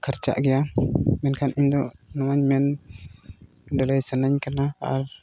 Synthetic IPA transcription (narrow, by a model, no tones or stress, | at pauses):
kʰəɾt͡ʃa̰ʔɡijamɛnkʰanind̪oʔnuwaɲmɛn | dələjsənəɲkənaa̰ɾ